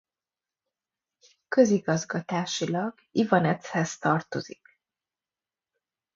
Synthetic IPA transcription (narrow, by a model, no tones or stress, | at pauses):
kø̞ziɡɒzɡɒt̪aːʃilɒɡ | ivɒnɛt̪shɛst̪ɒrt̪o̞zik